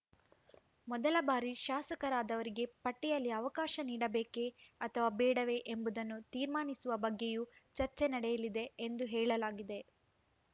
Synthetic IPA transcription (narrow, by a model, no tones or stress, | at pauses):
mɔd̪ɐlɐbaːɾiʃaːsɐkɐɾaːd̪ɐʋɐɾiɡe̞pɐʈːɛjɐlːiɐʋɐkaːʃɐniːɽɐbeːke̞ɐt̪ʰɐʋaːbɛːɽɐʋe̞ʔembud̪ɐnːut̪iːɾmaːnisuʋɐbɐɡːejut͡ʃɐɾt͡ʃe̞nɐɽɛjɐlid̪e̞end̪uɦɛːɭɐlaːɡid̪e̞